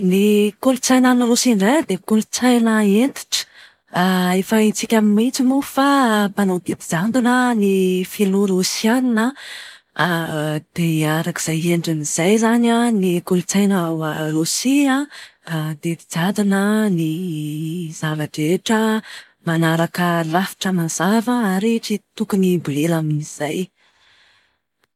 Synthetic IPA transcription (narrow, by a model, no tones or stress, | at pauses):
nikulut͡sajnanulusiɳɖ͡ʐajd̪ekulut͡sajnəend̪i̥ʈ͡ʂə̥ | efait͡sikʲamimit͡simufapanad̪it̪id͡zand̪unənifiluɾusianinə | d̪̥eaɾaki̥z̥ajenɳɖ͡ʐiniz̥ajzananikult͡sajnwaɾosiaad̪ed̪id͡zad̪unəni | z̥avaʈ͡ʂeʈ͡ʂə | manaɾakəlafi̥ʈ͡ʂəmaz̥avəaɾeʈ͡ʂit̪ukunibulelaminiz̥aj